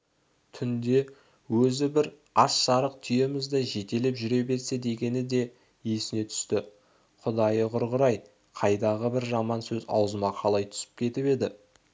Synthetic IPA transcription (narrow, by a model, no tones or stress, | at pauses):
t̪ʰʏnd̪e̞ | wɵzɪbɪɾ | ɑsʃɑɾəq̚t̪ʰʏje̞mɪzd̪eʒe̞t̪e̞lɪpʒʏɾe̞be̞ɾse̞d̪e̞ɡʲe̞nɪd̪e̞ | esɪne̞t̪ʰʏ̥st̪ɪ | qʰʊd̪ɑjəqʰʊɾʁəɾɑj | qʰɑjd̪ɑʁəbɪɾʒɑmɑnsɵzɑ̰wzəmɑqʰɑlˠɑjt̪ʰʏ̥sɪ̥p̚kʲʰe̞t̪ɪpe̞d̪ɪ